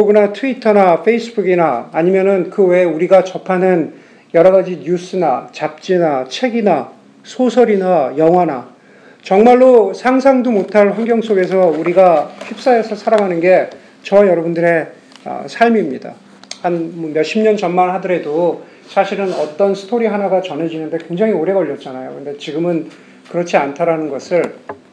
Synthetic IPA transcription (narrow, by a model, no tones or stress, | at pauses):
kɾoɡunatʰuitʰʌnafʰe̞is͈ɯbuɡinaːɲimjʌnɯnkɯwe̞uɾiɡat͡ɕʌpʰanɯn | jʌɾʌɡad͡ʑiɲus͈ɯnat͡ɕap̚t͡ɕ͈inat͡ɕʰe̞ɡina | sʰosʰʌɾinajʌŋɦwana | t͡ɕʌŋmaɭːosʰaŋsʰaŋdomotʰaɭɸwanɡjʌŋs͈oɡe̞s̬ʰʌuɾiɡaɕʰip̚s͈aɦe̞sʰʌsʰaɾaŋanɯnɡe̞ | t͡ɕʌwajʌɾʌbundɯɾe̞ | ʌ̰sʰaɭmimɲida̰ | hanmʌmjʌɕ͈ʰimɲʌnt͡ɕʌnmanɦadɯɾe̞do | sʰaɕʰiɾɯnʌt͈ʌnsʰɯ̥tʰoɾiɦanaɡat͡ɕʌnɦe̞d͡ʑinɯnde̞kwe̞ŋd͡ʑaŋioɾe̞ɡʌʎːʌt̚t͡ɕ͈anajo̰kɯɾʌnde̞t͡ɕiɡɯmɯn | kɯɾʌt͡ɕʰiantʰaɾanɯnɡʌsʰɯɭ